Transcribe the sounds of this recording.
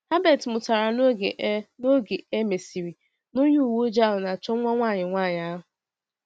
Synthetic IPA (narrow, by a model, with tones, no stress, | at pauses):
ha˦be˨tmʊ˨ta˨ɾa˨˦ | no˦ɡe˨e˦me˨si˨ɾi˨ | nʊ˦ɲu˦˨wo˦d͡ʒa˦ɦʊ˨na˨t͡ʃɔ˦ŋʷɔ˦ŋʷaː˦˨ɲɪ˨ŋʷaː˦˨ɲa˦a˦ɦʊ˨